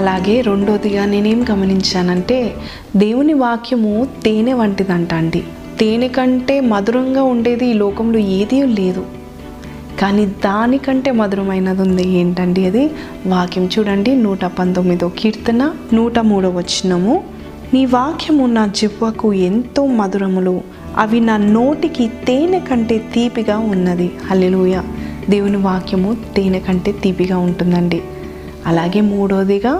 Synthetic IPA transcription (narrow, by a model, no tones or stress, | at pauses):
ɐlaːɡe̞ːɾe̞ɳɖo̞ːd̪iɡaːne̞ːne̞ːmuɡɐmɐniɲt͡ʃaːnɐɳʈe̞ː | d̪e̞ːwuniʋaːkʰjɐmut̪eːneʋɐɳʈid̪ɐɳʈaːɳɖi | t̪eːnekɐɳʈe̞ːmɐd̪uɾɐŋɡaːuɳɖe̞ːd̪iːlɔːkɐmloːeːd̪ijule̞ːd̪u | kaːniːd̪aːnikɐɳʈe̞ːmɐd̪uɾɐmɐjnɐd̪und̪ieːɳʈɐɳɖiɐd̪i | ʋaːkʰjɐmt͡ʃuːɽɐɳɖinuːʈɐpɐnt̪omːid̪oːkiːɾt̪ɐnɐnuːʈɐmuːɽɐːʋɐt͡ʃːinɐmu | niːʋaːkʰjɐmunaːd͡ʒebʋɐkue̞nt̪o̞ːmɐd̪uɾɐmulu | ɐ̰ʋinaːnoːʈikit̪eːnɐkɐɳʈe̞ːt̪iːpiɡaːunːɐd̪ihɐleːluːjaːd̪e̞ːwuniʋaːkʰjɐmut̪eːnɐkɐɳʈe̞ːt̪iːpiɡaːuɳʈund̪ɐɳɖi | ɐlaːɡe̞ːmuːɽoːd̪iɡaː